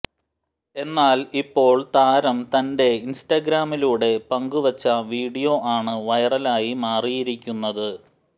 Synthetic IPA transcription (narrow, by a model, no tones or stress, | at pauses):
e̞nːaːlipːo̞ːɭt̪aːɾɐmt̪ɐnde̞insʈɐɡɾaːmiluːɽe̞pɐŋɡuʋɐt͡ɕːɐʋiːɽijo̞ʔaːɳɨʋɐjɐrɐlaːjimaːrijiɾikʲːunːɐðɨ